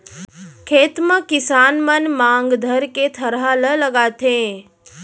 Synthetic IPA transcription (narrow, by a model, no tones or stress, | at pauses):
kʰeːt̪məkɪsaːnmənmãŋɡd̪ʱəɾket̪ʰəɾɦalələɡaːt̪ʰẽ